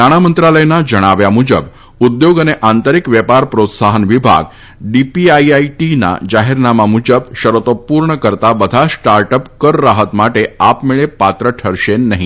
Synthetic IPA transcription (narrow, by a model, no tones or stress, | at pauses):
naɽ̃amənt̪ɾaləjnad͡ʑəɽ̃aʋjamud͡ʑəb | ud̪joɡəneʔant̪əɾikʋjɛpaɾpɾot̪saɦənʋibʱa̰ɡ | ɖipiajaiʈina̰d͡ʑaɦiɾnamamud͡ʒəbʃɕəɾot̪opuɾɳəkəɾt̪abəd̪ʱasʈaɾʈəpkəɾːaɦət̪maʈeapmeɭepat̪ɾəʈʰəɾɕenːəɦĩ